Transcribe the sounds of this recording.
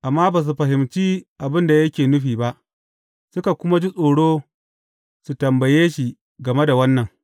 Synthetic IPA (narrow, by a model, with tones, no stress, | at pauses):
ʔa˨mːaː˦baː˨s̬u˨ɸɐ˨ɦɪ˨mt͡ʃiː˦ʔa˨bɪ˦nda˨jɐ˦kʲeː˨nʊ˦ɸiː˨ba˦ʔ | sʊ˦ka˨kʷʊ˦ma˦d͡ʒi˦sʼoː˨ɽoː˦ | su˨tɐ˨mbɐ˨jeː˦ʃi˨ | ɡɐ˨me˦da˨wɐ˦nːɐ˨ŋ